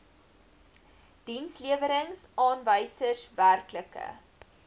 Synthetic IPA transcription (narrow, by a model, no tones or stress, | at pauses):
d̥insliəvəɾəŋsɑːnvəjsəsværkləkə̰